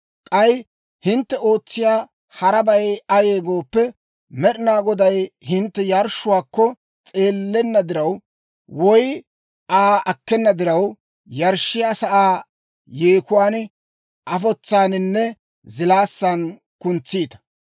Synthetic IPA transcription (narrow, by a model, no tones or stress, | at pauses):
kʼɐj | hɪnt̪ːɛo̞ːt͡sːɪjaː | hɐɾɐbɐjɐje̞ːɡo̞ːpːɛ | mɛɗɪnaːɡɔd̪ɐjhɪnt̪ːɛjɐɾʃʊwaːkːɔ | t͡sʼe̞ːlːɛnːɐd̪ɪɾɐw | wɔj | aːʔɐkːɛnːɐd̪ɪɾɐw | jɐɾʃːɪjaːsɐʔaː | jeːkʊwaːn | ʔɐfɔt͡sːaːnɪnːɛ | zɪlaːsːɐn | kʊnt͡sːiːt̪ɐ̥